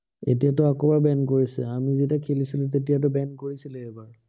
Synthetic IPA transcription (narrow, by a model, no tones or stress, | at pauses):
ḛtijatʊakɔbaɹbɛnkoɹisɛ̰amizitakʰelisilũt̬etijat̬ʊbɛnkoɹisilɛebaɹ